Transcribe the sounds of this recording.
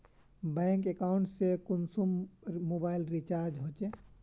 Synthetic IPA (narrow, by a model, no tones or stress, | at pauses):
bɛ̃ŋkekaʊɳʈsekunsummobailɾit͡ʃaɾd͡ʒɦot͡ʃe